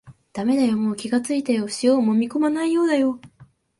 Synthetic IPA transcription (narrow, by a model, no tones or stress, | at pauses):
d̪̥ame̞d̪ajo̞moːkʲiɡat͡sɨit̪ajo̞ɕijo̞ːmo̞mʲiko̞manaijo̞ːd̪ajo̞